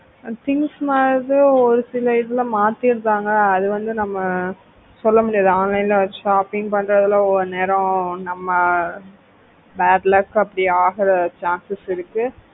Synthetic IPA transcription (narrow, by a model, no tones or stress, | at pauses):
t̪ɪŋsmaːɾðɯɔɾɯsɪlɐɪðɐlɐ̃maːt̪ːɪɾɯnd̪aːŋɡɐːðɯʋɐnd̪ɯnɐmːɐ | sɔlːɐmʊɽɪjaːðaːnlɐɪlɐʂaːpɪŋɡpɐɳːɾɐðɪlaɔɾɯneːɾɐ̃nɐmːɐ | baːʈlɐkːɐpːɐɽiaːɣɪɾɐt͡ʃaːnsɪsɪɾɯkːɯ